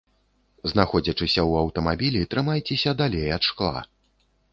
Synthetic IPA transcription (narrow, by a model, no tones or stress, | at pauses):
znaxɔd͡zʲɐt͡ʂɨsʲɐwɐwt̪ɐmabʲilʲit̪ɾɨmajt͡sʲɛsʲɐd̪alʲejat̪ʂklˠa̰